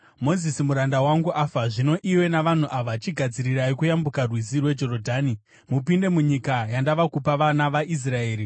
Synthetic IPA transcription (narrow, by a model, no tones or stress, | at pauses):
mo̞zisimuɾandawaŋɡuʔafaʐino̞ʔiwe̞naʋan̤uʔaʋat͡ʃiɡʱad͡ziɾiɾaikujambukarwizirwe̞d͡ʒo̞ɾodʱaːni | mupinde̞muɲikajandaʋakupaʋanaʋaʔis̬rae̞ːri